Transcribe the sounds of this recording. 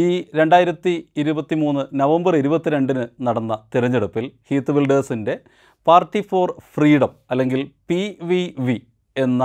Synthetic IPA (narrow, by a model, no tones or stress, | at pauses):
iːɾe̞ɳɖaːjiɾɐt̪ːiːɾubɐt̪ːimuːnːɨnɐʋɐmbɐriɾubɐt̪ːiɾe̞ɳɖinɨnɐɽɐnːɐt̪iɾɐɲːeɽupːilhiːt̪ːɨʋilɖɐːsinde̞ | paːrʈːifoːrfriːɽɐmɐlːe̞ŋɡilpiʋiʋi | e̞nːɐ